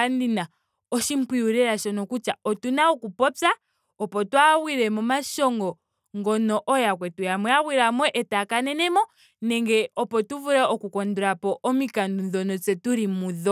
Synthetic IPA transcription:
andina | ɔʃim̩piuɾɛɾaʃɔnɔkut͡ʃaɔtunaɔkupɔpa | ɔpɔtwawiɾɛmɔmaʃɔŋɡɔ | ŋɡɔnɔʔɔjakwɛtujamwɛawiɾamwɔʔɛtakanɛnɛmɔ | nɛŋɡɛɔpɔtuvuɾɛɔkukɔnduɾapɔʔɔmikandunðɔnɔt͡sɛtuɾimuðɔ

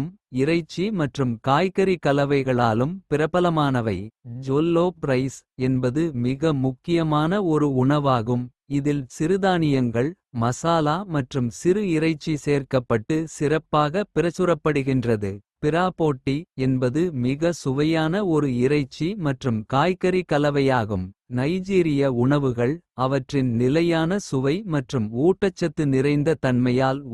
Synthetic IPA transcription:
mɪɾɐɪt͡ʃːimɐʈrɯmkaːjkɐɾikɐlɐʋɐɪɣɐɭaːlɯmpɪɾɐpːɐlɐmaːnɐʋɐɪd͡ʒoːlːoːpɾɐɪsɛnbɐðɯmɪɣɐmʊkːɪjɐmaːnɐɔɾɯʊɳɐʋaːɣɯm | ɪðɪlsɪɾɯðaːnɪjɐŋɡɐɭ | mɐsaːlaːmɐʈrɯmsɪɾɯɪɾɐɪt͡ʃːiseːrkɐpːɐʈːɯsɪrɐpːaːɣɐpɪɾɐt͡ʃːɯɾɐpːɐɽɯɣɪndrɐðɯpɪɾaːpoːʈːiɛnbɐðɯmɪɣɐsʊʋɐjaːnɐɔɾɯɪɾɐɪt͡ʃːimɐʈrɯmkaːjkɐɾikɐlɐʋɐjaːɣɯmnɐɪd͡ʒiːɾɪjɐʊɳɐʋɯɣɐɭɐʋɐʈrɪnnɪlɐjaːnɐsʊʋɐɪmɐʈrɯmuːʈːɐt͡ʃːɐt̪ːɯnɪrɐɪnd̪ɐt̪ɐnmɐjaːl

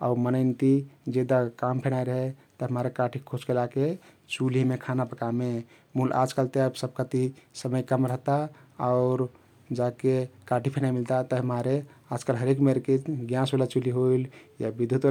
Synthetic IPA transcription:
ɔ̰ʊɾmənəɪnt̪id͡ʒed̪akampʰenaiɾəɦet̪əɦəmaɾekaʈʰikʰot͡ʃkelake | t͡ʃulimekʰanapəkame | mulʔa̰d͡ʒkalt̪eəbsəb̚kət̪isəməjkəmɾəɦt̪aɔʊɾ | d͡ʒakekaʈʰipʰenaimilt̪at̪əɦmaɾead͡ʒkəlɦəɾekmeɾkeɡjãselat͡ʃuliɦoiljabid̪ʱjut̪

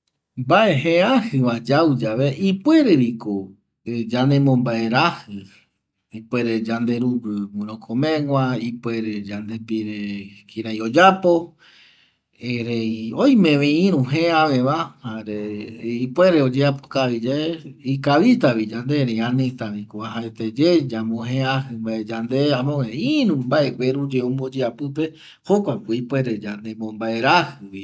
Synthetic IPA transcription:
baʔeɦẽahɨʋad͡ʒawd͡ʒaβeʔipwe̞ɾeɾiko | d͡ʒanẽmõmbae̞ɾahɨ | ipe̞ɾe̞d͡ʒand̪e̞ɾubɾɨmũɾ̃õkʰomẽŋwʷãipwe̞ɾed͡ʒand̪e̞piɾekiɾajod͡ʒapo | eɾejojmẽʋẽĩɾũɦẽãʋẽʋahaɾeipweɾeod͡ʒeapo̥kaβid͡ʒaeikaβit̪aβid͡ʒand̪eɾeãnĩt̪aβikoaɦaet̪ed͡ʒed͡ʒamõɦẽãhɨmbaed͡ʒand̪eamõẽiɾũmbaʔewʷeɾũd͡ʒeũmbod͡ʒeapɨpe | hokʷakeipweɾed͡ʒand̪emõmbae̞ɾahɨβi

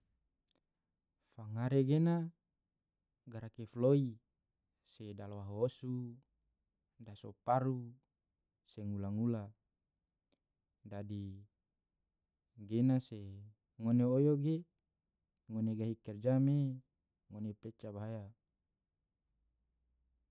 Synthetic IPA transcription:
faŋaɾeɡena | ɡaɾakefloi | sedalowaɦoosu | dasopaɾu | seŋulaŋula | dadi | ɡenase | ŋoneojoɡe | ŋoneɡaɦikɛrd͡ʒame | ŋonepet͡ʃabaaja

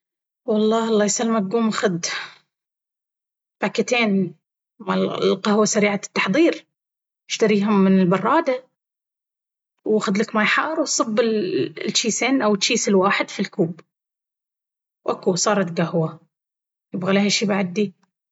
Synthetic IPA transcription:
wɑlˤːɑːɑlˤːɑːjsalːmaɡuːmʔaxʊd̪ | b̥akːat̪eːn | malqahwasaɾiːʕat̪ːɑħðˤiːɾ | ɪ̥ʃt̪aɾiːɦʊmːɪnɪlbɑrˤːɑːd̪a | waxʊd̪lakmajħɑːɾˤwsˤɨbːɪllt͡ʃːiːseːnʔawɪt͡ʃːiːsɪlwaːħɪd̪filkuːb | wʔakusˤɑːɾˤɑt̪ɡahwa | jɪbɣalehaʃiːbaʕad̪ːi

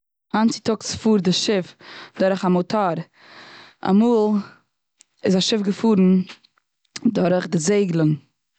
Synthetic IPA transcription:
ant͡sɪtʊksfuːɾdɪʃɪfdɔɾəχamotʰaɾ | a̰muːlˠ | ɪzaʃɪfɡəfuːɾn̩ | dɔɾəχdɪzeɪɡlˠən

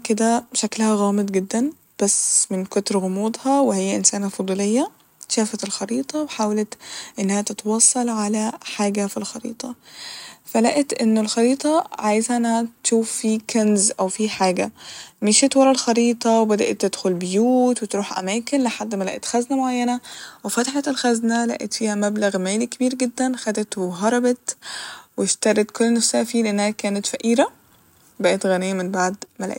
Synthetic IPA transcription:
ked̪æbʃæklahæɣæːmɨd̪ˤɡɪd̪ːæn | b̥æsmɪnkot̪ɾɣʊmuːd̪ˤhɑwehɪjːæʔɪnsæːnhæfod̪ˤuːlejːæ | ʃæːfæt̪elxɑɾiːt̪ˤɑweħaːwalæt̪ʔɪnːæhæt̪ɪt̪wɑːsˤːɑlʕalæħaːɡæfilxɑɾḭːt̪ˤɑ | fælæʔet̪ʔɪnːolxɑɾiːt̪ˤɑʕaːjezʔænːhæt̪ʃuːfːiːkænzʔæwfiːħaːɡæmeʃet̪wɑlˤːɑlxɑɾiːt̪ˤɑwebæd̪æʔet̪ːed̪̥xolbejuːt̪wet̪ɾuːħʔæ̰mæːkenleħad̪ːmælæ̰ʔet̪xæznæmoʕajːænæwefæt̪aħet̪elxæznælæ̰ʔet̪fiːhæmæblæɣmæːlike̥biːɾɡed̪ːænxæd̪et̪weɦɑɾˤɑbet̪weʃt̪ɑɾˤet̪kolːnæfsææfiːleʔenːæhækæːnæt̪fæʔiːɾæ | bæʔet̪ɣænejːæmenbaʕd̪mælæ̰ʔ

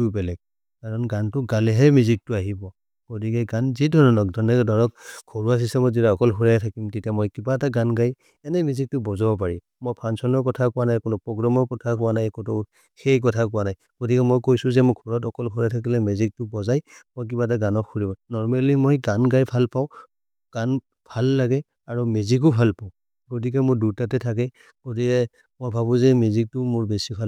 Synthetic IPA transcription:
tubɛlɛɡ̚ | kaɹɔnɡantʊɡalɛɦɛmuzik̚tʊaɦibɔ | ɡ̥otikɛɡanzidʱɔɹɔnɔk̚dʱɔnɛdɔɹɔkkʰːoɹuas̬istɛmɔzitaɔkɔlɦuɹatʰakimtetiamɔjkibataɡanɡaj | ɛnɛmizik̚tʊbɔzabɔp̬aɹim | mojpʰansɔnɔɹkɔtʰakʊwanajkʊnʊpɹɔɡɹɔmɔɹkɔtʰakʊwanajkɔnɔ | xejk̬ɔtʰakʊwanaj | ɡ̥otikɛmɔjkojsʊzɛmʊkʰɔɹɔt̬ɔkɔlkʰɔɹɛtʰak̬ilɛmezik̚tʊbɔzajmojk̬ibataɡanɔkʰːuɹibɔnɔɹmalimojɡanɡajbʰʱalpaʊ̃ | ɡ̥an | b̥ʱalːaɡɛ | aɹumezik̬ʊbʱalpaʊ̃ | ɡot̬ik̬ɛmʊɹduɹtatɛtʰak̬ɛ | ɡ̥otikɛ | mojbʱaβʊ̃zɛmezik̚tʊmʊɹbesibʱal

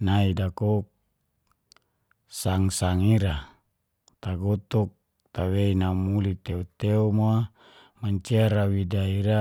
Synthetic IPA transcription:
naidakok̚ | saŋsaŋiɾa | t̪aɡɔt̪ɔk̚ | t̪aweinamulit̪eot̪eɔmoa | maɲt͡ʃeaɾawidaiɾa

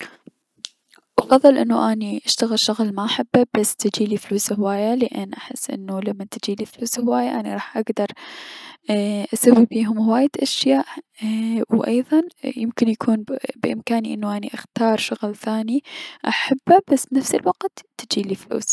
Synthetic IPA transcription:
ʔɑfɑðˤːɨlʔɪnːuʔaniʔaʃt̪aɣɪlʃʊɣɪlmaʔaħabːabasːt̪ɪd͡ʒiːlifluːshwaːjalɪʔɪnːʔaħɪ̰sːʔɪ̰nːulamːat̪ɪd͡ʒiːlifluːshʊwaːjaʔaniɾˤɑːħʔaɡd̪ɑɾˤ | ʔasawːibiːɦʊmhʊwaːjɪd̪ʔaʃjaːʔ | wʔɑjðˤɑnjɪmkɪnjakʰuːnbɪʔɪmkaːniʔɪnːuʔaniʔaxt̪ɑːɾˤʃʊɣlθaːniʔaħabːabasːnafsɪlwaqt̪t̪ɪd͡ʒiːliflṵːs

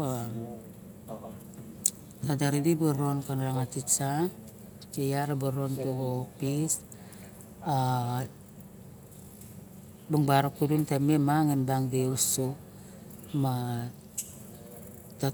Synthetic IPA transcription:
a | tadaɾidibaɾonkanaɾaŋatit͡ʃa | t͡ʃejaɾabaɾontoɡopis | a | baŋbaɾokuduntamemaŋenbaŋdeuso | ma | ta

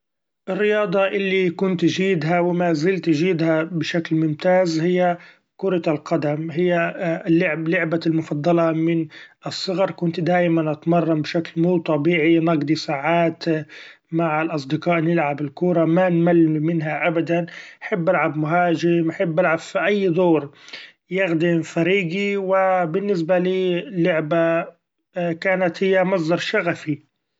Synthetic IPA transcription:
ʔɪrːɪjɑːd̪ˤɑʔɪlːikʊnt̪ʒiːd̪ɦawɪmazɪlt̪ʒiːd̪habɪʃaklmʊmt̪aːzhɪjːa | kʊɾˤɑlqɑd̪amɦɪjːalːɪʕlʊʕbalmʊfɑd̪ˤːɑlɑmɪnɨsˤːɨɣɑɾˤkʊnt̪d̪aːjmanʔɑt̪mɑrˤːɑmbɪʃaklmuːt̪ˤɑbiːʕinɑɡd̪ˤisaːʕaːt̪ | maʕɪlʔɑs̬ˤd̪ɪqɑːʔnɪlʕabɪlkuːɾˤɑmanmalːmɪnɦaʔabad̪anaħabːʔalʕabmʊɦaːʒɪmaħɪbːʔalʕab̥fiʔajːd̪ˤoːɾ | jɪɣd̪ifaɾiːɡiwɪbɪnːɪs̬baliːlːʊʕba | kaːnat̪hɪjːamɑs̬ˤd̪ˤɑɾˤʃaɣafi

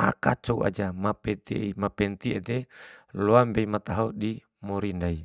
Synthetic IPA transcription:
a̰ka̰t͡ʃouʔa̰d͡ʒamapɛt̪imapɛnt̪iet̪eloambeimat̪aɦodi | moɾindai

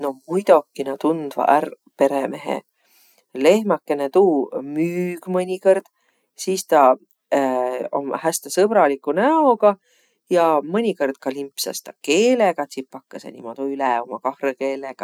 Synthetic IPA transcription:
no̞mujd̪o̞kːˑinɑt̪und̪̥vɑ̰ʔær | pe̞ɾeme̞ɦḛ | le̞hmɑkːˑe̞net̪uːmyːɡ̥mɤnʲikord̪̥ | siːst̪ɑ | o̰mhæst̪esɤb̥ɾɑlikːˑunæoɡ̥ɑ | jɑmɤnʲiko̞rd̪̥̚kɑlimpsɑ̰st̪ɑke̞ːleɡ̥ɑt̪ʲsipːɑkːɑsḛnʲḭmot̪oylɛo̞mɑkɑhreke̞ːleɡ̥ɑ

